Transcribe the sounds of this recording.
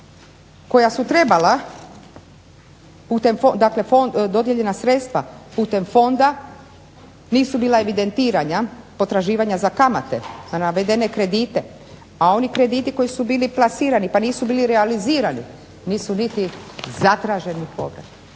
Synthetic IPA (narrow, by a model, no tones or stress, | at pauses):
ko̞jasut̪ɾe̞bala | puːt̪e̞mfod̪akle̞fod̪o̞d̪jeʎe̞nasɾet̪st̪ʋa̰puːt̪e̞mfo̞nd̪a | niːsubiːlˠae̞ʋid̪e̞nt̪iːɾaɲapo̞t̪ɾaʒiːʋaɲazakamat̪e̞̰anaʋed̪e̞nekɾe̞d̪iːt̪e̞ | ao̞nikɾe̞d̪iːt̪iko̞jisubiːliplˠasiːɾanipaniːsubiːliɾealiziːɾanḭ | niːsunit̪izat̪ɾaʒe̞nipo̞̰bɾḛt̪